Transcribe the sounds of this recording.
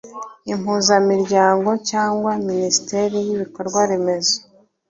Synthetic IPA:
imuzamiɾɟaːŋɡo̞caːŋɡwaminisi̥te̞ɾijiβiko̞ɾɡwaɾeme̞zo

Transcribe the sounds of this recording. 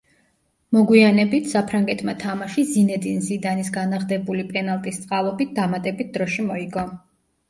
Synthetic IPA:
mɔɡwianɛbit̪ʰsapʰɾaŋɡɛt̪ʰmat̪ʰamaʃizinɛd̪inzid̪anisɡanaʁd̪ɛbulipʼɛnalˠt̪ʼist̪sʼqʼalˠɔbit̪̚d̪amat̪ʼɛbit̪̚ʰd̪ɾɔʃimɔiɡɔ

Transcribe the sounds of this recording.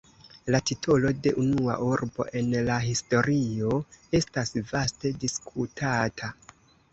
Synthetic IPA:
latitʰo̞lo̞de̞ʔunua̰ʔuɾbo̞̰ʔe̞nlaɦisto̞ɾio̞e̞stasvaste̞diskʰutʰatʰa

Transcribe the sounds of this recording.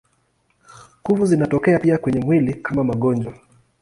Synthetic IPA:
kuvuzinatɔkɛapiakwɛɲɛmwilikʰamamaɠɔnd͡ʒwa

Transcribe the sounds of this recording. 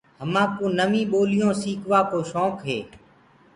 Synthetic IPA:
həmãːkũːnəmĩːɓoːlɪjõːsiːkʰʋaːkoːʃɔ̃ːkɦḛː

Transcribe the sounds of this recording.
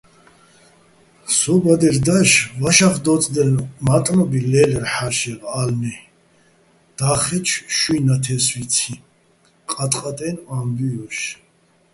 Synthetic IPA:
sɔbad̪ɛɾd̪aʃvaʃaχd̪ɔt͡s̪ʼd̪ɛnmat̪ʼnɔbilɛlɛɾħaʃɛʁalnɛ | d̪̥aχɛt͡ʃʰʃwinat̪ʰɛsvit͡sʰi | qʼat̪ʼqʼat̪ʼɛnambiɔʃ

